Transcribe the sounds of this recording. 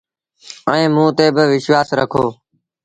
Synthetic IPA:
əẽːmũːt̪eːbɪʋɪʃʋaːsɾəkʰoː

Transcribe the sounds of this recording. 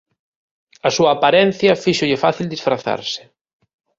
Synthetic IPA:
ɐsuɐːpaɾɛnθjɐfiʃoʎɪfaθild̪isfɾaθa̰ɾsɪ̥

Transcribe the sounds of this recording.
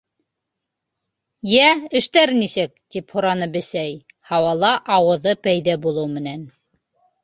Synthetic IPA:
jæɘ̆ʃt̪æɾnisɘk̚t̪iphuɾɑnɤbɘ̆sæj | hɑwɑlˠɑʔɑwɤ̆ðɤpæjðæbulˠɤwmɘ̆næn

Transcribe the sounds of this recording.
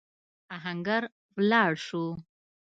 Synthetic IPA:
aɦaŋɡaɾ | wlɑɽʃu

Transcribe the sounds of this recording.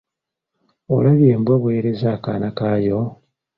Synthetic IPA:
olaβjeːmbwaβwe̞ːɾezakaːnakaːjo

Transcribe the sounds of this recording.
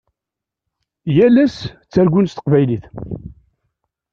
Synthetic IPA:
jælæst͡sːæɾɡʷunst̪əqvæjliθ

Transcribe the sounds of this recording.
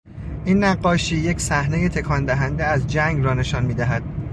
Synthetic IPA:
ʔinːæɢːɒːʃiːje̞cʰsæhne̞jet̪ʰe̞kʰɒnd̪æɦænd̪eæzd͡ʒæŋɡɾɒːne̞ʃɒnmiːd̪æɦæd̪̥

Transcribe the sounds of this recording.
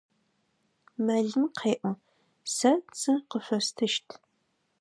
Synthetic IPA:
mɐɮɨmqʰeːʔʷɔ | sɐt͡sʰʼɨqəfʷɐstʰɨʃtʰ

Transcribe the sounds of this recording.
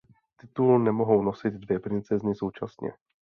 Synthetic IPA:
t̪ɪt̪ulnɛmo̞ɦo̞wnosɪd̪dvjɛpɾɪnt͡sɛznɪso̞wt͡ʃasɲɛ̰

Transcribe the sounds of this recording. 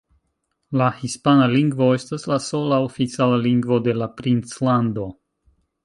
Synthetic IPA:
lahispanaliŋɡvo̞e̞staslaso̞laofit͡sialaliŋɡvo̞de̞lapɾint͡slando̞

